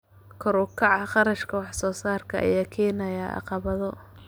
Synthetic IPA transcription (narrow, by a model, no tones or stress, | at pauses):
kʰʊɾʊkʰɑʕɑχɑɾɐʃkʰɐwɑħsɔːsaːrkʰɐʔɐ̰jaːkʰɛːnɐjaʔɑ̰qɑβɐðɔ